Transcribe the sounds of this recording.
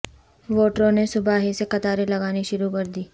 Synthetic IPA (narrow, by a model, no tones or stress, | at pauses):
ʋoːʈɾõnesʊbaːɦisekɐt̪aːɾelɐɡaːniʃʊɾukɐɾd̪iː